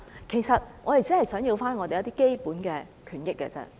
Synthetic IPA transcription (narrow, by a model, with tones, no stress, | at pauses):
kʰe˨˩jsɐ˨t̚ŋɔː˨˧t̪e˨jt͡siː˨˥hɐ˨jsœː˨˥ŋji˧wfaː˥nŋɔː˨˧t̪e˨jɐ˦˥t̪iː˥ke˥jpuː˨˥nkɛː˧ | kʰyː˨˩njɪ˥k̚ːɛ̰ː˧t͡sɛ̰˥